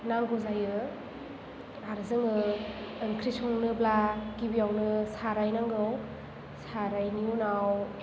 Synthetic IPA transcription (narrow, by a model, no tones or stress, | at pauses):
naŋɡɔzajɯ | aɾɯzɯŋɯ | ŋkʰɾisɔŋnɯblakibijawnɯsaɾajnaŋɡɯw | saɾajnijunaw